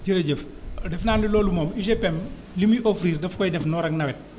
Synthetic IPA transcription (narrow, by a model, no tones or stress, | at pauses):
ɟəɾɐɟəf | dɛfnaːmdilɔːlumɔːmiʃepɛm | limiʔofɾiːrdɐfkɔjdɛfnɔːɾɐknɐwɛt̚